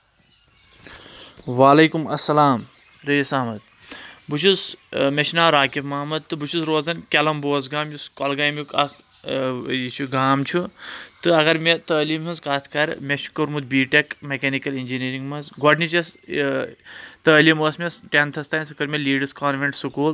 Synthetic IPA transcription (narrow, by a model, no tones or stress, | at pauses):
ʋaːlɐːkumɐsːɐlaːm | ɾɐisaːmɐd̪̚ | but͡ʃʰusmʲeʃnaːɾaːkifmɐːmɐd̪̚t̪ɨbut͡ʃʰusɾoːzɐnkʲelɐmboːzɡaːmjuskɐlɡaːjmjukɐk | it͡ʃʰuɡaːmt͡ʃʰut̪ɨɐɡɐɾmet̪əːlimɦunzkaːt̪ʰkɐɾmeʃʰu̥kɐɾmud̪̚biːʈekmekeːnikɐlinʲd͡ʒiniɾiŋɡmɐnzɡɔɖnit͡ʃɐs | t̪əːlimoːsmesʈent̪ʰɐst̪aːnsɐkɐɾmeliːɖɐskaːnʋeɳʈsukuːl